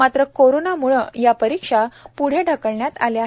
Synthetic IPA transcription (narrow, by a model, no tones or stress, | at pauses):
at̪ɾəkoɾonamuɭəjapəɾikʂapuɽ̤eɖʱəkəɭɳjat̪a̰lja